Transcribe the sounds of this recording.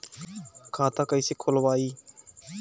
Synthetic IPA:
kʰãːt̪ãːkəiːseːkʰolʋaːiː

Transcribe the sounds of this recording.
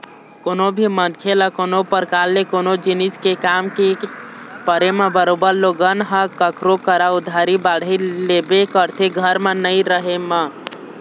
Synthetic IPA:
konobʱimənkʰelakonopəɾkalːekonod͡ʒiniskekamke | pəɾemebəɾobəɾloɡənɦəkəkɾokəɾaʊd̪ʱːaɾibaɽ̤ilebekəɾt̪ʰeɡʱəɾmenəiɾəɦemə

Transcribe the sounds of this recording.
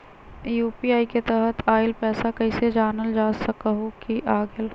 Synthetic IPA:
juːpiaːiket̪ɛɦət̪ʰaːɪlpɛːsakɐised͡ʒaːnəld͡ʒaːsɐkaɦokiʔaːɡəl

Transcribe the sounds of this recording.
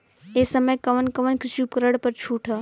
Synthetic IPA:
esəməjkɐʋənkɐʋənkɾɪʃupkɾəɽpɐɾt͡ʃʰuːʈʰə

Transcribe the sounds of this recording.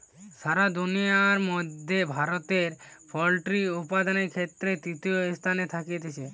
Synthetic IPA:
ʃaɾad̪unijaɾmɔd̪ʱːebʱaɾot̪eɾpʰɔlʈɾiupad̪aneɾkʰet̪ːɾet̪ɾit̪iost̪ʰanet̪ʰakiet̪et͡ɕʰe

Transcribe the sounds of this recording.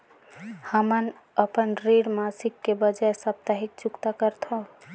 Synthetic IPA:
həmən | əpənɾeɽmasikːebəd͡ʒaesəp̚t̪aɦik̚t͡ʃukt̪akəɾt̪ʰõ

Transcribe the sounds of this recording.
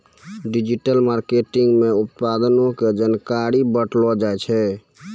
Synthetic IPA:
ɖid͡ʒiʈəlmaɾkeʈiŋɡmeut̪pad̪ənoked͡ʒankaɾibəʈlɔd͡ʒajt͡ʃʰɛ

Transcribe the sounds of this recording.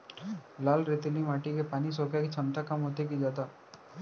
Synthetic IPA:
laːlɾɪt̪limaːʈikepaːnis̬oːkjakit͡ʃʰɐmt̪akɐmɦoːt̪̬ekid͡ʒaːt̪aː

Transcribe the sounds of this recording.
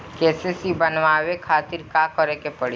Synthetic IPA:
kɛːsesibɐnʋaːʋekʰaːt̪ɪɾkakɔɾekepəɽi

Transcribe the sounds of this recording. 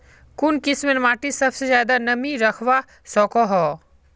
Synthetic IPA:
kʊnkɪsmenmaːʈisɐbsezjaːd̪anɐmiɾɐkʰʋa | sɔːkoɦɔː

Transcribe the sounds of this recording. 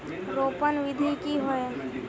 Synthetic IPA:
ɾoːpənʋɪd̪ʱikiɦoe

